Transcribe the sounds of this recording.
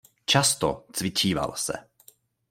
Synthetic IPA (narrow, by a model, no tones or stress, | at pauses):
t͡ʃast̪o̰t͡svɪt͡ʃiːva̰lsɛ̰